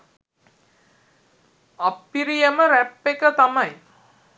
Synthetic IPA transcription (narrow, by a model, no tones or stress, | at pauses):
apːiɾijəməɾæpːekət̪amaj